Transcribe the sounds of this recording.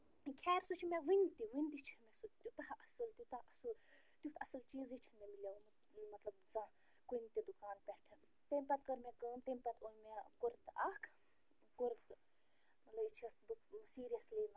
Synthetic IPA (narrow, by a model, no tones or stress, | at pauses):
kʲʰɛːɾsut͡ʃʰimeʋɨnʲt̪iʋɨnʲt̪it͡ʃʰimesut̪jut̪ɐɦʔɐsɨlt̪ʲut̪ɐɐsu | t̪ʲut̪ʰɐsɨlt͡ʃiːzit͡ʃʰimʲemilʲeum | mɐt̪lɐbzã | kunt̪ʲid̪ukaːnpʲɛʈʰɨ | t̪əmpɐt̪̚kɐɾmʲekəːnt̪ɐmpɐt̪ʰojmekoɾt̪akʰ | koɾt̪ | mɐt̪lɐbit͡ʃʰiɐsbuksiːɾijɐslin